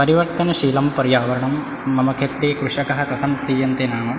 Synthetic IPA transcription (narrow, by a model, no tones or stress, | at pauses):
pɐɾiʋɐɾt̪ɐnɐʃiːlɐmpɐɾjaːʋɐɾɐɳɐmː | ɐmɐkʰeːt̪ɾeːkɾuʂɐkɐɦɐkɐt̪ʰɐmt̪ɾiːjɐnt̪enaːmɐm